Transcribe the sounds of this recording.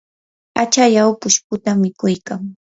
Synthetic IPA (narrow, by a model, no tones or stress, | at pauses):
at͡ʃajawpʊʃpʊt̪amɪkʊjkaŋ